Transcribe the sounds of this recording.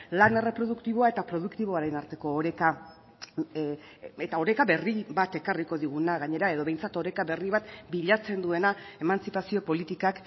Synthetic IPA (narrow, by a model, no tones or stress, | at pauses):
lane̞re̞pɾo̞ð̞ukt̪iβ̞o̞ae̞t̪apɾo̞ð̞ukt̪iβ̞o̞aɾenaɾt̪e̞ko̞ːɾe̞ka | et̪ao̞ɾekaβe̞riβat̪e̞kariko̞ðiɣunaɣaɲe̞ɾae̞ð̞o̞βe̞jnt͡sat̪o̞ɾe̞kaβe̞riβat̪biʎat͡se̞nd̪ue̞na | e̞manst͡sipasio̞po̞lit̪ikak